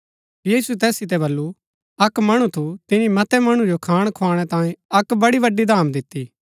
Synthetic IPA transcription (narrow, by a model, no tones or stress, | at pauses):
jiːsuɛt̪ɛːsɪt̪̬ɛbɐlːu | ɐkmɐɽ̃ut̪ʰut̪ɪnĩmɐt̪ɛmɐɽ̃ũd͡ʒokʰaːɽ̃kʰʊaːɽ̃ɛt̪ãːẽɐkbɐɽibɐɖːid̪ʱaːmd̪ɪt̪ːiː